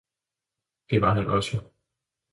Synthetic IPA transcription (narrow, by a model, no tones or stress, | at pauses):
d̥e̝ʋɑ̈ɦænʔɒ̽so